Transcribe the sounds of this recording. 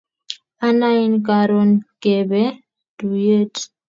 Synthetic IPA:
a˦na˦i˦nka˨ɾɔ˨nke˨bɛ˦ | du˨je˦t

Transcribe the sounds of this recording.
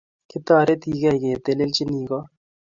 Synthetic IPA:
kɪ˦t̪aː˦˨ɾe˦t̪i˦kɛ˦˨jke˨t̪e˦˨le˦lt͡ʃi˦niː˨kɔ˦

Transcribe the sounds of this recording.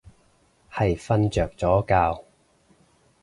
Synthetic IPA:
hɐ˨jfɐ˧nt͡ʃœː˨˩k̚t͡sɔː˨˥kaː˧w

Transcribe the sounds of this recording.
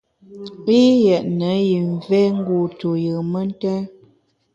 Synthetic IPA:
i˦jɛ˨ʔnə˨˦ji˨ɱ˨vɛ˦ŋ̩˦ɡu˨tu˨jɨ˨mə˦n˦tɛ˦

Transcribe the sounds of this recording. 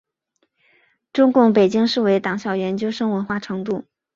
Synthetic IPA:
ʈ͡ʂʊ˥ŋkʊ˥˩ŋpe˨˩ɪt͡ɕi˥ŋʂɻ̩˥˩we˧˥ɪt̪ɑ˨˩ŋɕjɑ˨˩ʊjɛ˧˥nt͡ɕjo˥ʊʂɤ˥ŋwə˧˥nxwa˥˩ʈ͡ʂʰɤ˧˥ŋt̪u˥˩

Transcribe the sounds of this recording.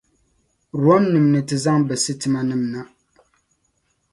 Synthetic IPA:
ɾu˨˦ɔ˦nːɨ˨mnɨ˨tɨ˨za˦ŋbɛ˨sɨ˦tɨ˨ma˦nɨ˦mna˦

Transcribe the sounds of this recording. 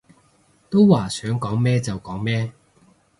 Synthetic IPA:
t̪o˥wwaː˨˩sœː˨˥ŋkɔː˨˥ŋmɛː˥t͡sɐ˨wkɔː˨˥ŋmɛː˥

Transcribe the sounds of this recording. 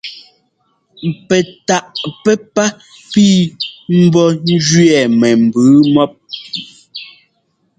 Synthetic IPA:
pɛ˨ta˨ʔpɛ˦pa˦ | piː˦m̩˦bɔ˦n̩˦d͡ʒɥɛ˨mɛ˨m̩˨bɨː˨˦mɔ˦p̚

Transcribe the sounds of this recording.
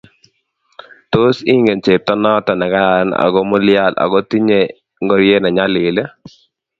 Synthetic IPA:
to˦si˦ŋɡe˨nt͡ʃe˨tɔ˦nɔ˦tɔ˨nɛ˨ka˦ɾa˨ɾa˦na̰˨ɡɔ˦mʊ˦lɪa˦˨la̰˨ɡɔ˦ti˦ɲe˨ | ŋɡɔ˦ɾje˦na˨ɲa˦lɪ˨le˦

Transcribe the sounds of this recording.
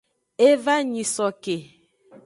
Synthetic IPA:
e˦va˦ɲi˨sɔ˨ke˨

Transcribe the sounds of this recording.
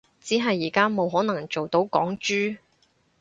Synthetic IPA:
t͡siː˨˥ɦɐ˨jːiː˨˩kaː˥mo˨˧wɦɔː˨˥nɐ˨˩ŋt͡so˨wt̪o˨˥wkɔ̰ː˨˥ŋt͡ʃyː˥

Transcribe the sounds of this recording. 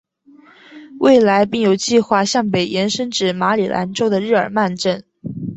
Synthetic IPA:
wʔe˥˩ɪla˧˥ɪpi˥˩ŋjo˨˩ʊt͡ɕi˥˧xwa˥˧ɕjɑ˥˩ŋpe˨˩ɪjɛ˧˥nʂə˥nʈ͡ʂɻ̩˨˩ma˧˥lḭ˨˩lʔa̰˧˥nʈ͡ʂo˥ʊd̪ə˨ɻɻ̩˥˩ə̰˞˨˩ma˥˧nʈ͡ʂə˥˩n

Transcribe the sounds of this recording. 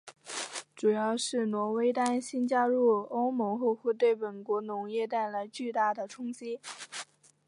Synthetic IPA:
ʈ͡ʂu˨˩jɑ˥˧ʊʂɻ̩˥˩nwɔ˧˥we˥ɪt̪a˥nɕi˥nt͡ɕja˥ɻu˥˩o˥ʊmɤ˧˥ŋxɔ˥˧xɛ˥˧t̪̬we˥˩ɪpə˨˩nkwɔ˧˥nʊ˧˥ŋjɛ˥˧t̪a˥˩ɪla˧˥ɪt͡ɕy˥˧t̪a˥˩d̪ə˩ʈ͡ʂʰʊ˥ŋt͡ɕi˥

